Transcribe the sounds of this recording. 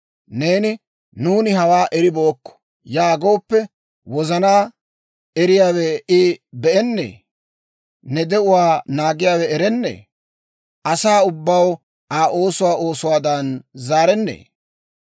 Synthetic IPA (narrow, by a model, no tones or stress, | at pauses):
ne̞ːnɪ | nuːnɪɦɐwaːʔɛɾɪbo̞ːkːɔ̥ | jaːɡo̞ːpːɛ | wɔzɐnaː | ɛɾɪjaːwɛɪbɛʔɛnːḛː | nɛd̪ɛʊwaːnaːɡɪjaːwɛɛɾɛnːḛː | ʔɐsaːʊbːɐw | ʔaːʔo̞ːsʊwaːo̞ːsʊwaːd̪ɐnzaːɾɛnːḛː